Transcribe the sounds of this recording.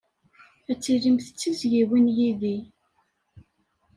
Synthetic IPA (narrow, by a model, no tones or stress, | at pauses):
æt͡sːiɾimθə̥t͡sːizʝiwinjiði